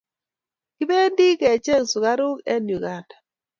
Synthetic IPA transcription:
ki˦be˦ndi˦kɛ˨t͡ʃe˦ŋsu˨ka˦ɾʊ˦kɛ̰˦nju˨ɡa˦ndḁ˨

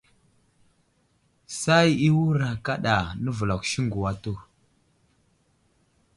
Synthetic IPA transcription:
sa˦ji˦wu˦ɾa˨ka˦ɗa˨nə˦və˨la˨kʃi˦ŋɡu˨wa˦tu˦˨

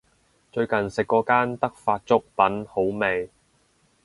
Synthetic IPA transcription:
t͡ʃɵ˧ɥkɐ˨nsɪ˨kːɔː˨˧kaː˥nt̪ɐ˥k̚faː˧t̚t͡sʊ˥k̚pɐ˨˥nho˨˥wme˨j

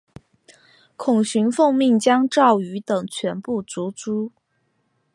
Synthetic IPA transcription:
kʰʊ˨˩ŋɕy˧˥nfɤ˥˧ŋmi˥˩ŋt͡ɕjɑ˥ŋʈ͡ʂɑ˥˩ʊy˧˥t̪ɤ˨˩ŋt͡ɕʰɥɛ˧˥npu˥˩t͡su˧˥t͡su˥

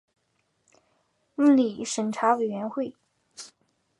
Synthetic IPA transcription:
m̩˥˩li˨˩ʂə˨˩nʈ͡ʂʰa˧˥we˨˩ɪɥɛ˧˥nxwe˥˩ɪ

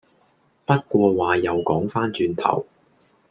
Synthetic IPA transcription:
pɐ˥t̚kʷɔː˧waː˨jɐ˨˩wkɔː˨˥ŋfaː˥nt͡ʃyː˧nt̪ʰɐ̰˨˩w

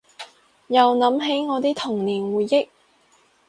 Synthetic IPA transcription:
jɐ˨wnɐ˨˥mɦe˨˥jŋɔː˨˧t̪iː˥t̪ʰʊ˨˩ŋniː˨˩nwuː˨jːɪ˥k̚

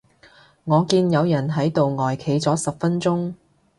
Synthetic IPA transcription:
ŋɔː˨˧kiː˧njɐ˨˧wjɐ˨˩nɦɐ˨˥jt̪o˨wŋɔː˨jkʰe˨˧jt͡sɔː˨˥sɐ˨p̚fɐ˥nt͡sʊ˥ŋ

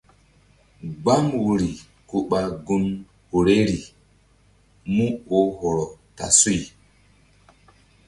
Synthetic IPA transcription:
ɡ͡ba˦mwu˨ɾi˨ | ku˨ɓa˨ɡu˦n | ho˨ɾe˦ɾi˨ | mu˦o˦hɔ˨ɾɔ˨ta̰˨su˦j

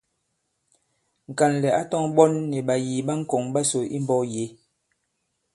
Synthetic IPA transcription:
ŋ̩˨ka˨nlɛ˨a˦tɔ˦ŋɓɔ˦nːɛ˨ɓa˨jiː˨ɓa˦ŋ̩˦kɔ˨ŋɓa˦so˨ʔi˦mbɔ˦je˨˦

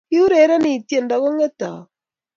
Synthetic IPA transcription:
i˦u˦ɾe˨˦ɾa˦niː˨tje˨nda˨ɣo˦ŋe˦ta̰˨

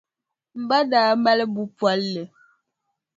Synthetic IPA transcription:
m̩˨ba˦daː˨˦m˦ba˦lə˦bu˦pwa˨˦lːə˨

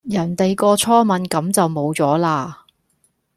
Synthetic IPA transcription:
jɐ˨˩nt̪e˨jkɔː˧t͡sʰɔː˥mɐ˨˥nkɐ˨˥mt͡sɐ˨wmo˨˧wt͡sɔː˨˥laː˧

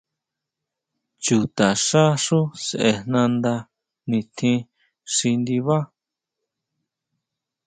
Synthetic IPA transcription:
t͡ʃu˨t̪a˨ʂa˦ʂũ˦se˨ʔe˧nnã˧nd̪a˧ | nĩ˧t̪ʰĩ˧˦ | ʂi˧nd̪i˧βa˦

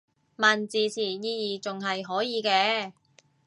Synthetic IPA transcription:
maː˨˩nt͡siː˨t͡sʰiː˨˩jiː˧jiː˨t͡sʊ˨ŋɦɐ˨jɦɔː˨˥jiː˨˧kɛː˧

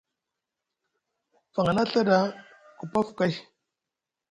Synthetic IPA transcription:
fa˨ŋa˨na˦ɬa˦da˦ | ku˨pa˦fka˦j

